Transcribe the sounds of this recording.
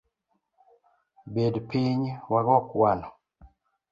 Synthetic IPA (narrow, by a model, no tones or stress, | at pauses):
bedpiɲwaɡɔkwanɔ